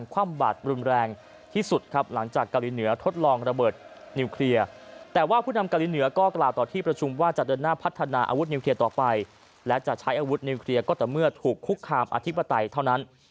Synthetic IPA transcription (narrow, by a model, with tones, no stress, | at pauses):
nkʰwaː˧˩mbaː˨˩t̪̚ɾu˧nɾɛː˧ŋ | t̪ʰiː˥˩su˨˩t̪̚kʰa˦˥p̚la˩˦ŋt͡ɕaː˨˩kːa˧wli˨˦nɯ˩˦ɐt̪ʰo˦˥t̪̚lɔː˧ŋɾa˧bɤː˨˩t̪̚ | ni˧wkʰli˧ɐt̪ɛː˨˩waː˥˩pʰuː˥˩na˧mka˧wliː˨˦˥nɯ˩˦ɐkɔː˥˩klaː˨˩wt̪ɔː˨˩t̪ʰiː˥˩pɾa˧t͡ɕʰu˧mwaː˥˩t͡ɕa˨˩ʔdɤː˧nːaː˥˩pʰa˦˥t̪ʰːa˧naː˧ʔa̰˧wu˦˥t̪̚ni˧kʰli˧ɐt̪ɔː˨˩pa˧j | lɛ˦˥t͡ɕa˨˩ʔt͡ɕʰa˦˥jʔaː˧wu˦˥t̪̚ni˧wkʰli˧ɐkɔː˥˩t̪ɛː˨˩mɯ˥˩ɐt̪ʰuː˨˩kʰːu˦˥kʰːaː˧mʔa̰˧t̪ʰi˦˥pa˧t̪a˧jt̪ʰa˥˩wna˦˥n